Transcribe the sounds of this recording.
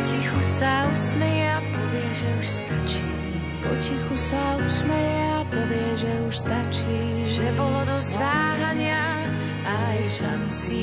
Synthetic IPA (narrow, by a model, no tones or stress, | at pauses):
cixusausmɛjɛapɔʋɪɛʒɛuʃst̪at͡ʃi̥ː | pɔcixusausmɛjɛapɔʋɪɛʒɛuʃst̪at͡ʃiː | ʒɛbɔlɔd̪ɔzɟʋaːɦaɲɪa | a | jʃant͡si